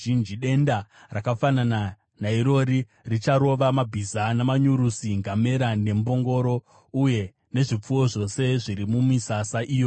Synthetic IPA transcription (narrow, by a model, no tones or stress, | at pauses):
ind͡ʒiɗe̞nda | rakafanana | naiɾo̞ɾi | rit͡ʃaɾo̞ʋamabʱizanamaɲuɾusiŋɡame̞ɾane̞mbo̞ŋɡo̞ɾo̞ | uje̞ | ne̞ʐip͡fuwo̞ʐo̞se̞ʐiɾimumisasaʔiːjo̞